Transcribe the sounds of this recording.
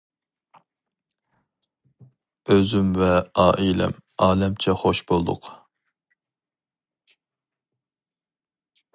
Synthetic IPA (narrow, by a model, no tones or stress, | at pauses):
øzymvɛɑːʔilɛ̰mɑːlɛmt͡ʃʰɛχoʃbolˠd̪ʊ̰q